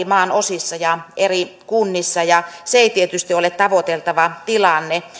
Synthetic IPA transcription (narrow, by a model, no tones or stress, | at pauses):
imɑːnosisːɑjɑʔerikunːisːɑjɑseeˑit̪iet̪yst̪iolet̪t̪ɑʋot̪elt̪ɑʋɑt̪ilɑnːe